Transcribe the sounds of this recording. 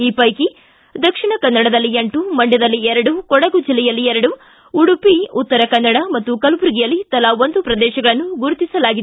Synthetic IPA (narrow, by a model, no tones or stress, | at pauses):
iːpɐjki | d̪ɐkʂiɳɐkɐnːɐɽɐd̪ɐlːiɐɳʈumɐɳɖjɐd̪ɐlːiɛɾɐɽukɔɽɐɡud͡ʒilːɛjɐlːiɛɾɐɽu | uɽupiut̪ːɐɾɐkɐnːɐɽɐmɐt̪ːukɐlupuɾuɡijɐlːit̪ɐlɐond̪upɾɐd̪ɛːʃɐɡɐɭɐnːuɡuɾut̪isɐlaːɡid̪e